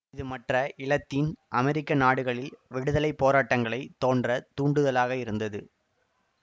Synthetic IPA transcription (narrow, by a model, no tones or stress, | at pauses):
ɪðɯmɐʈrɐʔɪlɐt̪ːinʔɐmɛɾɪkːɐnaːɽɯɣɐɭɪlʋɛɽɯðɐlɐɪpːoːɾaːʈːɐŋɡɐɭɐɪt̪oːndrɐt̪uːɳɖɯðɐlaːɣɐɪɾɯnd̪ɐðɯ̰